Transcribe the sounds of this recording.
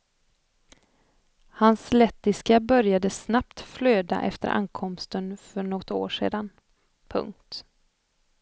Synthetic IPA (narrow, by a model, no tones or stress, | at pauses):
hanslɛt̪ːɪskabœɾjad̪əsnap̚t̪fløːd̪a̰ʔɛ̰ft̪ə̰ɾʔa̰nkʰɔmst̪ənfœɳɔt̪ːo̰ːʂḛːd̪an | pʰɵ̰ŋk̚t̪